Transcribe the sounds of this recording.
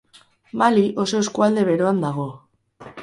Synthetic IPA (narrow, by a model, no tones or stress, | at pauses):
maliʔo̞so̞eskuald̪e̞βe̞ɾoand̪aɣ̞o̞